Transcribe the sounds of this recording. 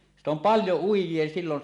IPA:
sit om pɑljo uijˑie silːon

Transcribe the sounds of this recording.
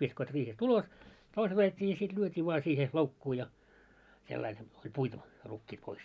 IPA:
ʋiskoit riːhest ulos toiset ɑjetʲːiː jɑ sit lyøtʲiː ʋoɑ siːhe loukːuː jɑ selːɑil olʲ puitu rukːiːt pois

